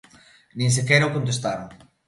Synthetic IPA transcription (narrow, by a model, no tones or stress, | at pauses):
nĩŋs̬ekɛjɾaokont̪̬est̪aɾoŋ